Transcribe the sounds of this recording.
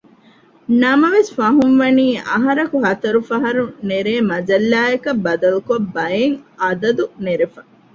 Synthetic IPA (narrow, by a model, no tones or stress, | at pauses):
nɐmɐʋesfɐɦunʋɐniːʔɐ̰ɦɐɾɐkuɦɐt̪ɐɾufɐɦɐɾuneɾeːmɐd͡ʒɐlːaːekɐbːɐd̪ɐlukobːɐjeŋɐd̪ɐd̪uneɾefɐ